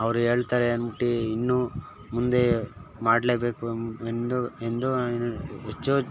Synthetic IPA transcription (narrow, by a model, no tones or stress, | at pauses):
ɐʋɐɾue̞ːɭt̪aːɾeɐnbiʈːiinːu | mund̪e̞maːɖleːbeːkuend̪uend̪unet͡ʃːo